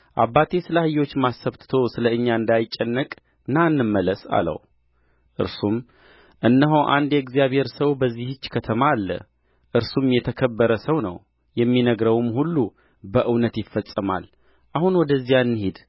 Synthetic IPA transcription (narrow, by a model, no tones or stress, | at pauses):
ʔa̰βːat̪ʰe̞sɨləhɨjo̞t͡ʃːmasːəβt̪ʰɨt̪ʰo̞sɨləɨɲːaɨnd̪ajɪt͡ʃʼːɛnːəkʼ | nanːɨmːələsa̰lə̰w | ʔɨ̰ɾsum | ʔɨnːəɦowʔa̰nd̪jɛɡzijaβhe̞ɾsəwbəzːihɨt͡ʃːkʰət̪ʰəmalːə̰ | ʔɨɾsumjɛt̪ʰəkʰəbːəɾəsəwnə̰w | jɛmːinəɡɾəwɨmhulːu | bəʔɨwnət̪jɪfːəsʼɨma̰l | ʔahunwɔd̪əzːijaɨnːɨhed̪